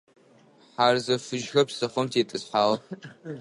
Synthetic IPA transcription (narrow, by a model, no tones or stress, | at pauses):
ħarzɐfɨʒxɐpʰsɐχəmtʰetʼɨsħaːl